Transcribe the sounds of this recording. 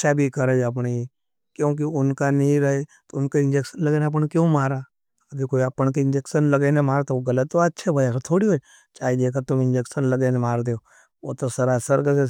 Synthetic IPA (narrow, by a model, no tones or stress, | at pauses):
t͡ʃʰabʱikəɾed͡ʒəp̬ɳi | kjõːk̬iʊnkanĩɾɐɦet̪oʊnkaɪ̃nd͡ʒekʃənlɐɡeneɐp̬əɳkjõːmaːɾaː | əb̪ʱikoːiapəɳkeɪ̃nd͡ʒeksənləɡenemaːɾt̪ooɡɐlət̪ːoəːt͡ʃʰebʱajakt̪ʰoːɽiɦo | t͡ʃaːid̪ek̬eɾt̪ʊmɪ̃nd͡ʒeksənləɡenemaːɾd̪eo | ot̪osɐɾasəɾɡəse